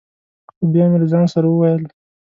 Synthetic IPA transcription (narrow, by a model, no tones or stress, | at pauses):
xobjɑmelazɑnsaɾawəwajəl